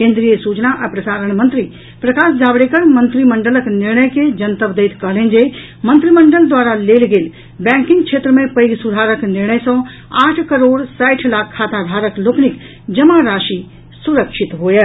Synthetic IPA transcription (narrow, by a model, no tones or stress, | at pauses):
kẽːnd̪ɾijəsut͡ʃnaʔəpɾəsaːɾəɳmə̃nt̪ɾi | pɾəkaːsd͡ʒaːbɽekəɾmə̃nt̪ɾimə̃ɳɖələknɪɾɳəjked͡ʒənt̪əʋd̪eɪt̪kəɦlẽnd͡ʒe | mə̃nt̪ɾiməɳɖəld̪waːɾalelɡeːl | bɛ̃ŋkĩŋkt͡ʃʰet̪ɾəmẽpəjɡsud̪ʱaːɾəknɪɾɳəjsɔ̃ | aːʈʰkəɾoːɽsajʈʰlakʰːat̪ad̪ʱaːɾəkloːknik | d͡ʒəmaɾaʃi | suɾəkʃʰit̪ɦojə